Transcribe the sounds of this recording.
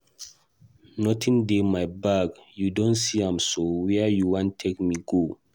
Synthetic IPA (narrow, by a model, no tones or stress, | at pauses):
nɔtʰĩndemajbaɡjudõntsiãmsowɛjuwãntʰekmiɡo